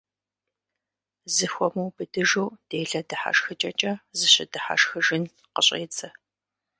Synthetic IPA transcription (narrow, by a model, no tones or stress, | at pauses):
zɨxʷɔmuwbɨdɨʒuwd̥eːɮɐdɨħa̰ʃxɨt͡ʃʼɐt͡ʃʼɐzɨɕɪdɨħa̰ʃxɨʒɪn | qəɕʼḛːt͡sʼɐ